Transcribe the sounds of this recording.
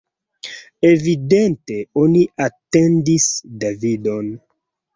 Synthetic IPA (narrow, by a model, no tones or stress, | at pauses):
e̞vidente̞oniate̞ndisdavido̞n